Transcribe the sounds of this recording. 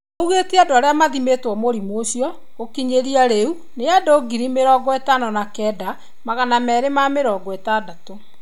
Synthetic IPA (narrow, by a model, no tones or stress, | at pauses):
ouɣetiadoaɾeamaðimetwɔmoɾimoɕiɔ | ɣokiɲeɾiaɾeu | neadoɡiɾimeɾɔːɡɔɛtanɔnakɛːda | maɣanamɛɾemameɾɔːɡɔɛtadato